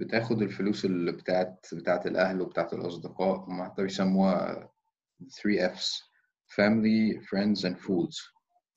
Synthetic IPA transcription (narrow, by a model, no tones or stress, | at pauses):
b̥et̪æːxod̪elfoluːselibet̪aːʕet̪bet̪aːʕet̪elʔæhlwebet̪aːʕet̪elʔɑsˤd̪eqɑːʔwemaħat̪ːæbejsæmːṵː | θɾiːʔefs | fæmɪlifɾɛnd̪zʔænfuːd̪z̥